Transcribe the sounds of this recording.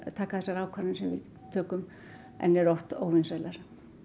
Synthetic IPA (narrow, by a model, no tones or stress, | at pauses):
t̪ʰakːaθɛsaɾaːwkʰvaɾɪnsɛmvɪ̰l | t̪ʰœːkʏm | ɛ̰nɛɾɔht̪oːwvɪnsajlaɾ̥